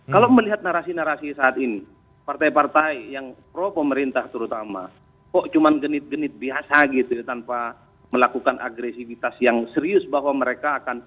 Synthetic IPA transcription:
kalaməliɦat̪̚naɾasinaɾasisaːt̪ini | part̪aipart̪aijaŋpɾɔpəməɾint̪aht̪əɾut̪ama̰ | kɔʔt͡ʃumanɡənɪt̪̚ɡənɪt̪̚biasaɡit̪ujt̪anpa | məlakukanʔa̰ɡɾesifit̪asjaŋsəɾiʊsbaɦwaməɾekaːkan

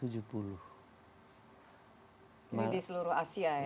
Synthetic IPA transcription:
ud͡ʒupuluh | idisəluɾʊhasia

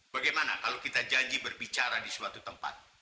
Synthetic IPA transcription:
baɡajmanakalawkit̪ad͡ʒaɲd͡ʒibərbit͡ʃaɾadisuat̪ut̪əmpa̰t̪̚

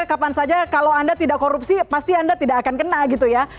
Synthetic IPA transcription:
kapansad͡ʒakalawandat̪idaʔkoɾupsipast̪iandat̪idakakankənaɡit̪uja

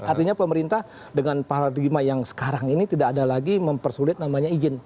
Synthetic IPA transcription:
art̪iɲapəməɾint̪ah | dəŋanpaɾadimajaŋsə̥kaɾaŋinit̪idakːdalaɡiməmpərsulɪt̪̚namaɲaid͡ʒɪn

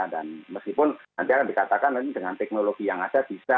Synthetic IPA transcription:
danməskipʊnna̰nt̪iakandikat̪akanadəŋant̪ɛk̚noloɡijaŋad͡ʒab̥isa

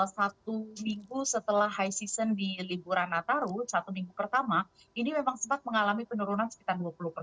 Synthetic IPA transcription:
sat̪umiŋɡusət̪əlahɦajsisəndilibuɾanːat̪aɾusat̪umiŋɡupərt̪ama | inimemaŋsəmpat̪̚məŋalamipənuɾunansə̥ki̥t̪arduapuluhpər

